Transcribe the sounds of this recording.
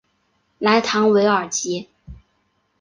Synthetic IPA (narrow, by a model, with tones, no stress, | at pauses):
la˧˥ɪt̪ʰɑ˧˥ŋwe˧˥ɪə˞˨˩t͡ɕi˧˥